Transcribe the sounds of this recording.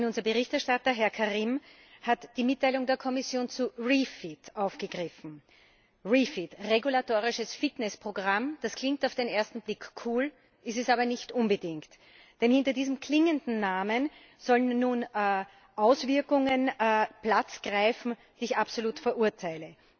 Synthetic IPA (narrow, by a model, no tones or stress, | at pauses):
nʊnzɐbəʁɪçtɛɐʃtatɐɦɛɐkʰaʁim | hatd̥iːmɪtːaɪlʊŋdeːɐkʰɔmɪsjoːnt͡suʁifitʔaʊfɡ̥əɡ̥ʁɪfn̩ | ʁifitʁeɡulatoːʁɪʃəsfɪtnɛspʁ̥oɡʁamd̥askl̥ɪ̃ŋk̚taʊfd̥eneːɐstn̩b̥lɪkkʰːuːl | ʔɪstɛsaːbɐnɪçtʔʊnbədɪŋkt | d̥ɛnhɪntɐdiːzəm̩kʰl̥ɪŋəndn̩naːmən | z̥ɔlənːuːnː | ʔaʊsv̥ɪɐkʊŋənːplat͡sɡ̥ʁaɪfnm̩d̥iːɪçapsoluːtfɛɐʔuɐtʰaɪlə